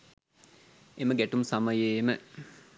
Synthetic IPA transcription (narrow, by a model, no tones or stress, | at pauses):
eməɡæʈumsamɐjemə